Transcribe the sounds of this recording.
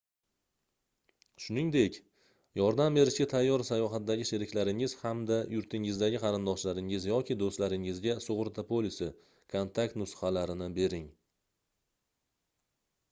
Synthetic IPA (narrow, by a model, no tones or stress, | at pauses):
ʃʊnɪŋd̪e̞kʲ | jɒɾd̪ambe̞ɾɪʃɡʲat̪ʰajːɒɾsajɒɦat̪d̪aɡʲɪʃeɾɪkʲlaɾɪŋɪz̥hamd̪ajʊɾt̪ʰɪŋɪzd̪aɡʲɪqʰɑɾɪnd̪ɒʃlaɾɪŋɪzjɒkʲʰɪd̪ost̪laɾɪŋɪzɡʲasʊʁɾt̪ʰapʰolɪsɪ | kʰont̪ʰak̚t̪nʊsχɑlaɾɪnɪbe̞ɾɪŋ